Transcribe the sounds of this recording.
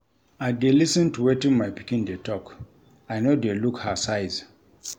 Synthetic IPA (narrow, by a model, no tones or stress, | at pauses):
adelisə̃ntuwetĩnmajpi̥kĩndetʰɔk | ajnodelukhasaɪz̥